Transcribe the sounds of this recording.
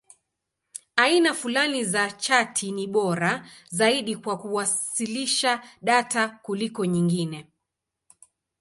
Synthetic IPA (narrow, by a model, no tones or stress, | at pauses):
ainafulanizat͡ʃatʰiniɓɔɾazaiɗikwakuwasiliʃaɗatakulikɔɲiŋɡinɛ